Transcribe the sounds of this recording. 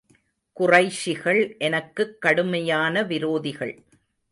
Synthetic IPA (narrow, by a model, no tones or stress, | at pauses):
kʊrɐɪʂɪɣɐɭʔɛnɐkːɯkːɐɽɯmɐjaːnɐʋɪɾoːðɪɣɐɭ